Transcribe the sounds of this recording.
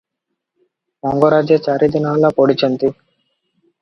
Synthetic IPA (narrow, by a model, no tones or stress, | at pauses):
mɔŋɡoɾaːd͡ʒjet͡ʃaːɾid̪inɐɐlːapoːɽit͡ʃɐnt̪i